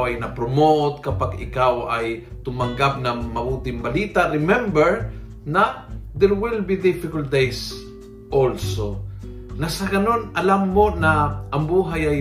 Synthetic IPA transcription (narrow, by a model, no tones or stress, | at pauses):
wɐjnɐpɾomot̪kɐpaɡɪ̰kawɐj | t̪ʊmɐŋɡap̚nɐŋmɐbuːt̪ɪŋbɐliːt̪aɾɪmɛmbɛɹ | nɐd̪ɛɹwɪlbid̪ɪfɪkɐlt̪̚d̪ejs | ʔolso | nɐsɐɡɐnonʔɐlamːonɐʔɐŋbuːɦajɐj